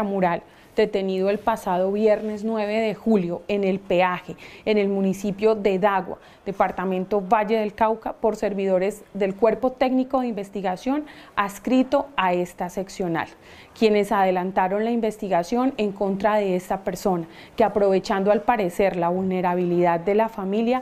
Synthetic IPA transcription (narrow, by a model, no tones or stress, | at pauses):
amuɾal | d̪̥e̞t̪e̞niðoe̞lpasað̞o̞βje̞ɾne̞znwe̞βe̞ðe̞xuljo̞ene̞lpe̞axe̞ːne̞lmunisipjo̞ðe̞ðaɣwa̰ | d̪̥e̞paɾt̪amẽ̞nt̪o̞βad͡ʒe̞ðe̞lkawkapo̞ɾse̞ɾβiðo̞ɾe̞zd̪e̞lkweɾpo̞t̪e̞ɡniko̞ðeimbe̞st̪iɣasjo̞naskɾit̪o̞ae̞st̪ase̞ksjo̞na̰l | kje̞ne̞sað̞e̞lant̪aɾo̞nlaimbe̞st̪iɣasjo̞ne̞ŋko̞nt̪ɾaðe̞est̪ape̞ɾso̞na | keapɾo̞βe̞t͡ʃand̪oalpaɾe̞se̞ɾlaβulne̞ɾaβ̞iliðad̪̚d̪e̞lafamilja